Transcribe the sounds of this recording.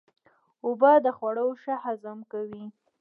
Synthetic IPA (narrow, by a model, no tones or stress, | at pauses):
ʊbɑd̪əxwaɽawʃahazəmkawi